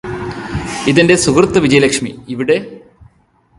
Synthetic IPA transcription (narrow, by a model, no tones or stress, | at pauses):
iðinde̞suɡrt̪ːɐʋid͡ʑɐjɐlɐkʂmiiʋiɽe̞